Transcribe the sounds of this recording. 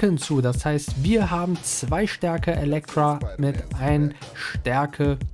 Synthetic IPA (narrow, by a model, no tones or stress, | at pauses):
ənt͡suːdashaɪstv̥iːɐɦaːbm̩t͡sv̥aɪʃtɛɐkəʔelɛk̚tʁ̥amɪtʔaɪnʃtɛɐkʰə